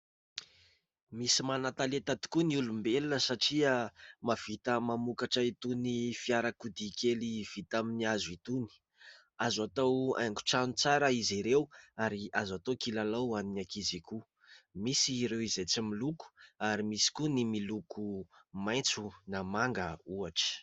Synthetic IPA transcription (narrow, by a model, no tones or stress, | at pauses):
misimanat̪alet̪ad̪i̥kuniulumbelunəsaʈ͡ʂiəmav̥it̪əmamukaʈ͡ʂəit̪unifiaɾakud̪ikeliv̥it̪aminiazuit̪uni̥ | azat̪awa̰jŋku̥ʈ͡ʂanut͡saɾəiziɾewaɾiazat̪okilalawaninakiziku | misiɾewizet͡similuku̥aɾimisi̥kunimilukʰumajnt͡sunamaŋɡəuaʈ͡ʂə̥